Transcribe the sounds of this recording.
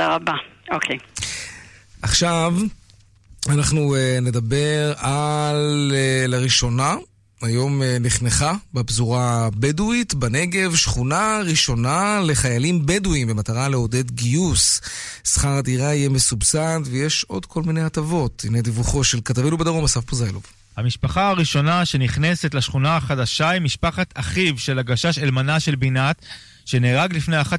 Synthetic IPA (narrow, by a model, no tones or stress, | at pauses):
aabaokʰe | ʔaχʃav | anaχnuene̞dabe̞ʁalllːaʁiʃo̞na | ajo̞meniχneχabebzuʁabeduitbane̞ɡe̞vʃχunaʁiʃo̞nale̞χajalimbeduimbemataʁaleo̞de̞dɡijus | sχaʁad̪iʁaijeme̞subsantvejeʃo̞d̪kʰo̞lmine̞jat̪avo̞t̪inejd̪ivuχo̞ʃelkat̪avilubedaʁomasafpozajlov | hamiʃpaχaaʁiʃo̞naʃe̞niχne̞se̞t̪laʃχunaaχadaʃaimːiʃpaχat̪aχivʃe̞laɡaʃaʃelmanaʃe̞lbinat̪ | ʃe̞neːʁaɡlifneaχat